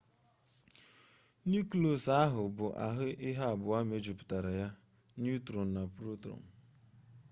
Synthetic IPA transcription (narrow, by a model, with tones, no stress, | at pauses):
nu˦klo˨sa˦ɦʊ˨bʊ˨ʔa̰˨ɦɪ˦ʔɪ˦ɦa˦˨bʊ˨a˦me˦d͡ʒu˨pʊ̥˨ta˨ɾa˨ja˦ | n˦u˦tɾo˨n̩˨na˨pɾo˦tɾo̰˨n̩˨